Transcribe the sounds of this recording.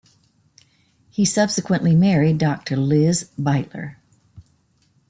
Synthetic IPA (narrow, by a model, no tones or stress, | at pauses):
hisʌb̥sɨkwə̃nʔlimɛɹidɑk̚tʰə˞lɪzbaɪʔlə̰˞